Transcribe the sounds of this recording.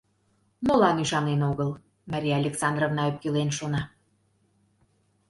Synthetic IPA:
molɑnyʃɑnenoɣəl | mɑɾʲijaɑlʲeksɑnd̪rovnɑøp̚kelenʃonɑ

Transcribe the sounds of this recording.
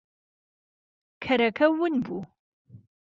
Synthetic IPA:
kʰɐɾɐkʰɐwʊnbu

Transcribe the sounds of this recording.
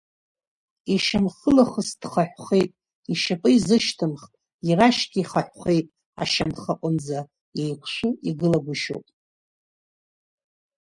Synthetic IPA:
iʃamχəlaχəsdχaħʷᶣχe̞jtʼ | iʃapʼɨizɨʃtʰɨmχtʼ | iraʃɡʲiiχaħʷᶣχejtʼ | a̰ʃamχaqʷʼʊnd͡za | jejkʷʰʃʷʊiɡɨlaɡʷuʃo̰wpʼ

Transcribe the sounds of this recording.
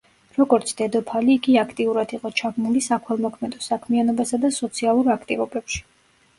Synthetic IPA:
ɾɔɡɔɾt̪sʰd̪̥ɛd̪ɔpʰaliːɡiakʰt̪ʼiuɾad̪iqʼɔt͡ʃʰabnulisakʰwɛlˠmɔkʰmɛd̪ɔsakʰmianɔbasad̪asɔt̪sʰialˠuɾakʰt̪ʼivɔbɛpʃi̥

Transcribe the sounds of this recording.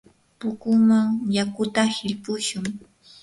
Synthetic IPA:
pʊkʊmaŋjakʊt̪ahɪʎpʊʃʊŋ

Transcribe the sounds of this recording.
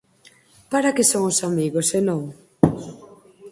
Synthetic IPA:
paɾakesoŋosamiɣosenõŋ

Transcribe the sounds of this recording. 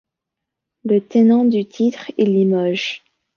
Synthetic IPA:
lət̪enɑ̃d̪yt̪ʰit̪χelimɔʒ

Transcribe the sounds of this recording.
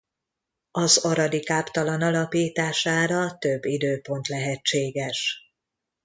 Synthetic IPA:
ɒzɒɾɒd̪ikaːpt̪ɒlɒnɒlɒpiːt̪aːʃaːɾɒt̪øbːid̪øːpo̞nt̪lɛɦɛt͡ʃːeːɡɛʃ

